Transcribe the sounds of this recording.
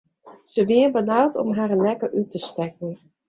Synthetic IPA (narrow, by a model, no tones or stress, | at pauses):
səʋɪərbanaːlˠtɔ̰mɦaːɾənlɛkəʔytəstɛk̚ən